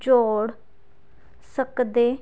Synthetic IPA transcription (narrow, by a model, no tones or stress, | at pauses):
d͡ʒoːɽ | səkd̪eː